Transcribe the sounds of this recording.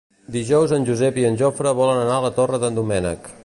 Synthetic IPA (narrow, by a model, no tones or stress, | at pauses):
d̪iʒɔwzənʲʒuzɛpiənʲʒofɾəβɔlənənaələt̪orəðənd̪umɛnə̰k